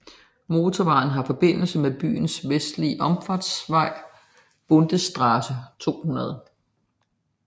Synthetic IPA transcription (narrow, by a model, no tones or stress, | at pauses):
mo̝ːt͡sʰɒʋɑ̈ːn̩ɦɑ̈fɒ̽b̥e̝n̰l̩səmeb̥y̰ːn̩sʋesd̥liəʔɒ̽mfɑd̥sʋɑ̈ɪ̰ | b̥ɔnd̥əsd̥ʁɑsət͡sʰo̝̰ːhunɐð̞ˠə